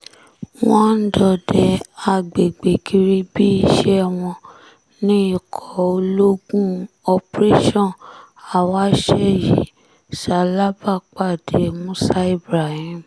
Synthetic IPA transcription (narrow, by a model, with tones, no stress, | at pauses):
wɔ̃˦n̩˦dɔ˧˨dɛ˨a˨ɡ͡be˨ɡ͡be˨ɡi˧ɾi˧bi˦˧˨ʃɛ˦˧w̃ɔ̃˧ | nĩ˦i˦˨kʰɔ˨o˧lo˦ɡũ˦ | ɔ˧pɾe˦ʃɔ̃˦˨ | a˨wa˦ʃɛ˦jḭ˨˦ | sa˨˦la˦ba˦˨k͡pa˦˨de˨˦mũ˦sa˦i˦˨bɾa˨hĩ˦m˨